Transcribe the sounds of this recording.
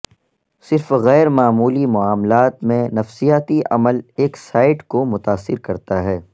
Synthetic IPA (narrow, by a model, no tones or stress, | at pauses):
sɪɾfɣɛːɾmaːmuːlimʊaːmlaːt̪mẽnɐfsijaːt̪iʔɐ̰məleːksaːɪʈkomʊt̪aːsːɪɾkɐɾt̪aɦɛː